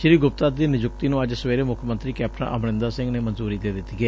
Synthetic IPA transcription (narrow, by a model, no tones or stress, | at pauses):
ʃɪɾiːɡʊp̚t̪aːd̪iːnɪd͡ʒʊt̪iːnũːəd͡ʒsəʋeːɾeːmʊkʰmə̃nt̪ɾiːkɛːp̚ʰʈənʔə̰mɳɪ̃nd̪aːsɪ̃ŋɡneːmənzuːɾiːd̪eːd̪ɪt̪iɡɛː